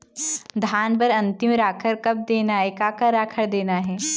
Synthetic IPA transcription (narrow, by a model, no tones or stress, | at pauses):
d̪ʱaːnbɐɾɐ̃nt̪ɪmɾaːkʰəɾkɐb̚d̪eːnaɦɛkaːkaɾaːkʰəɽd̪eːnaɦɛː